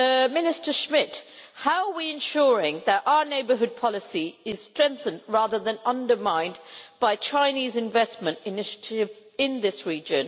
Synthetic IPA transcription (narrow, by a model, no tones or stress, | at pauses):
mɪnɪstə˞ʃmɪthaʊəwiɨ̃nʃʊɹɪ̃ŋðəɾaʊəneɪbə˞ɦʊd̚pʰɑlˠɨsiɪz̥stɹ̥ɛ̃ŋk̚θə̃ndɹæðə˞ðɨ̃nʌ̃ndə˞mãɪ̃nb̥aɪt͡ʃʰãɪ̃nizɨ̃ɱvɛsmə̃ntɨnɪʃə̥tʰɪv | ɪ̃nðɪsɹid͡ʒɨ̃n